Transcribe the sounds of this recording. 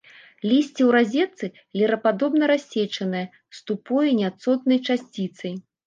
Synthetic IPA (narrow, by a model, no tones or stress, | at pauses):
lʲisʲt͡sʲɛwɾazʲɛt̪sɨ | lʲɛɾɐpad̪ɔbnɐɾasʲːɛt͡ʂɐnɨjɐ | st̪upɔjɐnʲat̪sɔt̪nɐjt͡ʂasʲt͡sʲit̪sɐj